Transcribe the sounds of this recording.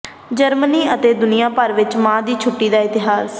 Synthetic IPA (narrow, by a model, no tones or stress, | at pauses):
d͡ʒəɾməniːət̪eːd̪ʊnɪjãːpəɾʋɪt͡ʃmãːd̪iːt͡ʃʰʊʈːiːd̪aːɪt̪ɪɦaːs